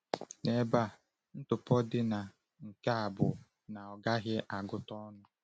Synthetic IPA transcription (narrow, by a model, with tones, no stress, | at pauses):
ne˨ba˦˨ | n̩˦tʊ˨pɔ˦dɪ˦na˨ | ŋ̩˨ka˦a˨bʊ˨ | na˨ɔ˨ɡa˦ɣɪ˦ʔa˨ɡʊ˦tɔ˦nʊ˦